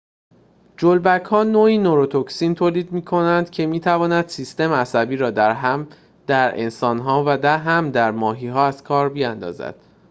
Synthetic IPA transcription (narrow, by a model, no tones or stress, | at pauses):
d͡ʒolbækʰhɒːnoːiːnoɾot̪ʰoksiːnt̪ʰoːliːd̪miːkʰo̞nænd̪̥cʰe̞miːt̪ʰævɒːnæd̪̥siːst̪e̞meæsæbiːɾɒːd̪æɾɦæm | d̪̥æɾḛnsɒːnɦɒːvæd̪æɦæmd̪æɾmɒːɦiːɦɒːæz̥kʰɒːɾbiænd̪ɒ̰ːzæ̰d̪̥